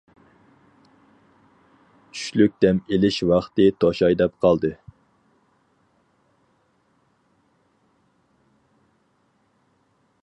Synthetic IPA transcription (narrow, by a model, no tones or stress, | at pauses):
t͡ʃʰy̥ʃlyk̚ʲd̪ɛmelɪʃwɑχt̪ɨt̪ʰoʃɑjd̪ɛpqʰɑlˠd̪ɨ